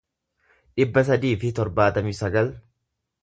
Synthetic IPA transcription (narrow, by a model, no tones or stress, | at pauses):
ᶑɪbːɐs̬ɐd̪iːfɪt̪ɔɾbaːt̪ɐmɪsɐɡɐl